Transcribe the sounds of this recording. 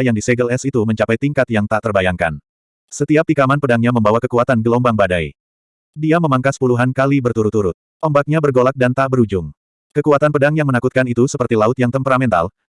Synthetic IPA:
jaŋdisɛɡəlɛsit̪uməɲt͡ʃapajt̪iŋkat̪jaŋt̪aʔt̪ərbajaŋka̰n | sət̪iap̚t̪ikamanpədaŋɲaməmbawakəkuat̪anɡəlɔmbaŋbadaj | diaməmaŋkasə̥puluɦankalibərt̪uɾut̪ːuɾʊt̪̚ʔɔmbak̚ɲabərɡolak̚dant̪aʔbəɾud͡ʒʊm | kəkuat̪anpədaŋjaŋmənakut̪̚kanit̪usəpərt̪ilaʊt̪jaŋt̪əmpəɾamɛnt̪a̰l

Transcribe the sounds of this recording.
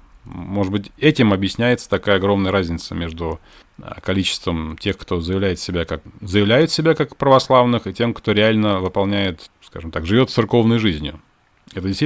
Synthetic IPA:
moʐɨd̪bɨtʲɛtʲɪmɐbjɪsʲnʲæjɪt̪sə̥t̪ɐkajəɐɡɾo̞mnəjəɾazʲnʲɪt̪səmʲeʐd̪ʊ̰ | kɐlʲit͡ɕɪ̥st̪vəmtʲe̞xkt̪o̞zəjɪvlʲæjɪt̪sʲɪbʲakakzəjɪvlʲæjʊt̪sʲɪbʲakakpɾəvɐslˠavnɨxɨtʲe̞mkt̪o̞ɾʲɪalʲnəvɨpɐlˠnʲæjɪt̪ska̰ʐɨmt̪akʐɨvʲo̞t̪t̪sɨrko̞vnəjʐɨzʲnʲjʊ̰ | ɛt̪ədʲɪst̪ʲ

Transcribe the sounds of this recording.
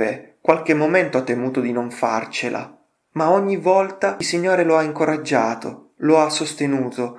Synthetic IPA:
ekːwalk̟emːoment̪oat̪ːemuːt̪od̪inoɱfa̰rt͡ʃelʔa̰ | maoɲːivɔlt̪ailsiɲːoːɾeloaiŋkoɾad͡ʒːaːt̪o̰ | loasːost̪enuːt̪o

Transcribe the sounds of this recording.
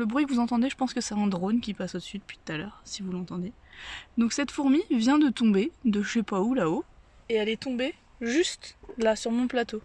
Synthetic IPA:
ləbʁɥikəvuzɑ̃t̪ɑ̃d̪eʒəpɑ̃skəsɛɛ̃d̪ʁonkʲipasod̪əsɥid̪əpɥi̥t̪u̥t̪alœːʁsivulɑ̃t̪ɑ̃d̪e | d̪ɔ̃ksɛt̪fuʁmivjɛ̃d̪ət̪ɔ̃bed̪əʃɛpaulao | eɛlɛt̪ɔ̃be | ʒyst̪lasyʁmɔ̃plat̪o

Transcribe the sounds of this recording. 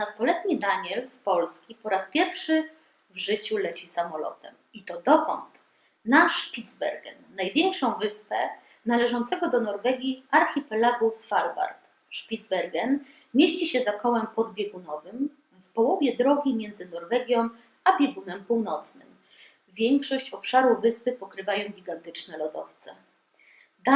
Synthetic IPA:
nast̪ɔlɛt̪ɲid̪aɲɛlspɔlskʲipɔɾaspʲjɛɾfʂɘ | vʐɘt͡ɕulɛt͡ɕisamɔlɔ̰t̪ɛm | it̪ɔd̪ɔkɔ̰nt̪ | naʂpʲid̪zbɛ̰ɾɡɛ̰nːajvʲjɛŋkʂɔ̃w̃vɘspɛ | nalɛʐɔnt̪sɛɡɔd̪ɔnɔɾvɛɡʲiaɾxʲipɛlaɡusfalva̰ɾt̪ | ʂpʲid̪zbɛɾɡɛn | mʲjeɕt͡ɕiɕɛzakɔwɛmpɔd̪bʲjɛɡunɔvɘm | fpɔwɔvʲjɛd̪ɾɔɡʲimʲjɛnd̪zɘnɔɾvɛɡʲjɔ̃w̃ | abʲjɛɡunɛmpuwnɔt̪snɘ̰m | vʲjɛŋkʂɔɕt͡ɕɔpʂaɾuvɘspɘpɔkɾɘvajɔ̃w̃ɡʲiɡant̪ɘt͡ʂnɛlɔd̪ɔ̰ft̪sɛ | d̪a

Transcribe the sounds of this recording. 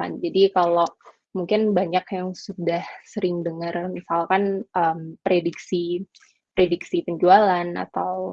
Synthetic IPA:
a̰nd͡ʒadikalo | muŋkɪnbaɲakjaŋsudahsəɾɪŋdəŋərmisalkanəmpɾediksi | pɾediksipəɲd͡ʒualana̰t̪aw

